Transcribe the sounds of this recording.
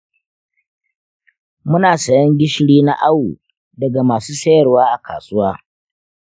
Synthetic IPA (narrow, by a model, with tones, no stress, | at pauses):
mʊ˦naː˨sɐ˨jɐ˦ŋɡʲɪ˦ʃɽiː˦na̰˦ʔa˦wu˨ | dɐ˨ɡa˨maː˨suː˦sɐ˦jɐ˨rwaː˦ʔa˨kʰa̰ː˨sʊ˦waː˦